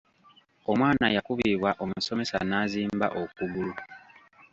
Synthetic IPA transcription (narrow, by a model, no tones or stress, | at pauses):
o̞mwaːnajakuβiːβwaʔo̞muso̞me̞sa̰naːziːmba̰ʔokuβulu